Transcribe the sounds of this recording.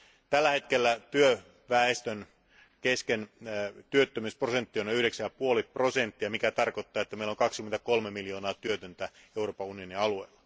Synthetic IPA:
t̪ælːæhe̞t̪kelːæt̪yø | ʋæest̪øn | keskent̪yøt̪ːømyːsprosent̪ːionyhɾeksæjɑpuolipro̞sent̪ːiɑmikæt̪ɑrkot̪ːɑːet̪ːæmeilːoŋkɑkskyment̪ækolmemiljo̞ːnɑːt̪yøt̪ønt̪æ | euroːpɑunio̞niɑlueilːɑ̥

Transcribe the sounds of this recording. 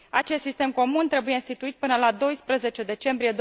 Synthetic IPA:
at͡ʃe̞st̪sist̪e̞mko̞munt̪ɾe̞buje̞inst̪it̪uit̪̚pɨnəlad̪o̞jspɾəze̞t͡ʃe̞d̪e̞t͡ʃe̞mbɾije̞d̪

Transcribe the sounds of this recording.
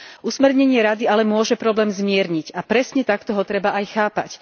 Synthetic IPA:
ʔusmɛɾɲɛɲɪɛɾad̪ialɛmʊɔʒɛpɾɔblɛːmzmɪɛɾɲiɟapɾɛsɲɛt̪akt̪ɔɦɔt̪ɾɛbaʔajxaːpa̰c

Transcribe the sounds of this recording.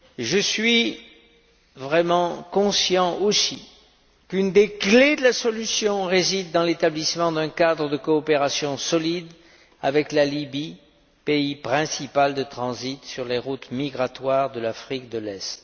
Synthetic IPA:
ʒəsɥi | vʁɛmɑ̃kɔ̃sjɑ̃ʔosi | kynd̪ekled̪əlasɔlysjɔ̃ʁezid̪ːɑ̃let̪ablismɑ̃d̪ɛ̃kad̪ʁəd̪əkɔːpeʁasjɔ̃sɔlid̪ | avɛklalibi | peipχɛ̃sipald̪ət̪χɑ̃zit̪syʁleʁut̪miɡʁat̪waʁd̪əlafχik̚d̪əlɛst̪

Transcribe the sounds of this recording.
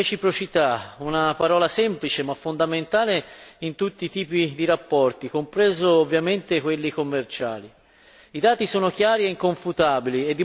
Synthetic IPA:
et͡ʃipɾot͡ʃit̪aunapaɾɔːlasɛmplit͡ʃemafːond̪ament̪aːleint̪ut̪ːiːt̪iːpid̪iɾapːɔrt̪ikompɾɛːzoːvːjament̪ekwelːikomːert͡ʃa̰ːli | id̪aːt̪isoːnok̟jaːɾieiŋkoɱfut̪aːbilied̪ːi

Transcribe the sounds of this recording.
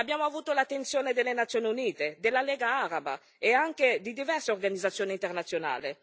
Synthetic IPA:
abjaːmoavuːt̪olat̪ːensjoːned̪elːenat̪sjoːniuniːt̪ed̪elːalɛːɡaaɾaba̰ | eaŋked̪id̪ivɛrseorɡanid̪zːat̪sːjoːniːnt̪ernat̪sːjona̰ːle

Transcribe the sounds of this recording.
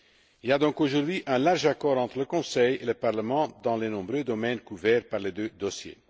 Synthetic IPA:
iliad̪ɔ̃koʒuʁd̪ɥiʔɛ̃laʁʒakɔʁɑ̃t̪χələkɔ̃sɛjeləpaʁləmɑ̃d̪ɑ̃lenɔ̃bʁød̪ɔmɛnkuvɛʁpaʁled̪ød̪ɔsjḛ

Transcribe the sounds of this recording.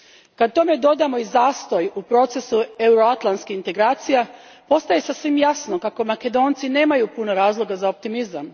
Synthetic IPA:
kad̪̚t̪o̞me̞d̪o̞d̪amo̞izaːst̪o̞jupɾo̞t̪se̞sueuɾoat̪lˠantskiint̪e̞ɡɾaːt̪sija | po̞st̪ajesasʋimjasnokako̞make̞d̪o̞ːnt̪sine̞ːmajupunoɾaːzlˠo̞ɡazaop̚t̪imizam

